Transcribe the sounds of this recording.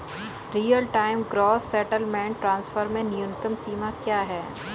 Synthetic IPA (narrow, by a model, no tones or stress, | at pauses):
ɾijəlʈaːɪmɡɾɔːsːɛːʈəlmɛ̃ːɳʈʈɾãːnsfəɾmẽnjʊnɪt̪əmsiːmakjaːɦɛː